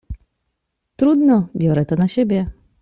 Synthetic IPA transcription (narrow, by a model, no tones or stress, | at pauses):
t̪ɾud̪nɔbʲjɔɾɛt̪ɔnaɕebʲjɛ